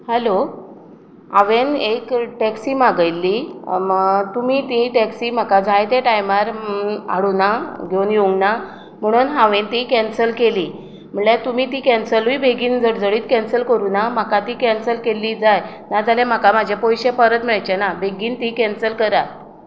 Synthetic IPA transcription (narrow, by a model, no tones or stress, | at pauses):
həlo | aʋenekʈɛksiːmaɡəjlːiː | t̪umiːt̪iʈɛksim̤akad͡zajt̪eʈajmaɾa̰ɽunaɡʱeunjeuŋɡna | m̤əɽ̃uːnɦaʋẽnt̪ikɛnsəlkeliː | m̤əɳɭet̪umiːt̪iːkɛnsəlʋiːbʱeɡiːnd͡zəɽd͡zəɭiːt̪kɛnsəlkəɾunamakat̪ikɛnsəlkelːid͡zaj | nad͡zalem̤akamad͡ʑʱapɔjɕepəɾət̪m̤iɭajt͡ɕɛnabʱeɡiːnt̪ikɛnsəlkəɾat̪